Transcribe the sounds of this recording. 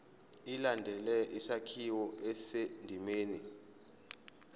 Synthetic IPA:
ilandʱɛlɛʔisakʰiwɔɛsendʱimeːni

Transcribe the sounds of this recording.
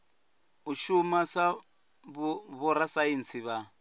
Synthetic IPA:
uʃumasa | ββɔɾasaint͡sʰiβa

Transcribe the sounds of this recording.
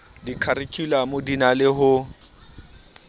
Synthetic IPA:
dikʰaɾɪkʰʼilamʊdinalɪɦʊ

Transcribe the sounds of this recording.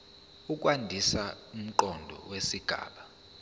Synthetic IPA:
uk̬ʼwandʱisaum̩ǃɔndʱɔ̰wesiɡ̥ʱa̰ːɓa

